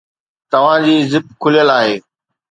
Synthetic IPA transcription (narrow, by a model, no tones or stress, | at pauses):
t̪ɐʋ̤ãːd͡ʑiːzɪp̚kʰʊlijəlaːɦeː